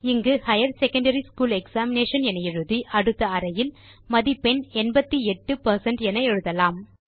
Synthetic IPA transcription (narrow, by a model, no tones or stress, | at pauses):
ɪŋɡɯhɐjɐɾsɛkɐɳɖɐɾiskuːlɛksaːmɪneːʂɐnɛnɐjɛɻɯðiʔɐɽɯt̪ːɐɐɾɐjɪl | mɐðipɛnɛnbɐt̪ːiɛʈːɯpɐɾsɐɳɖɛnɐɛɻɯðɐlaːm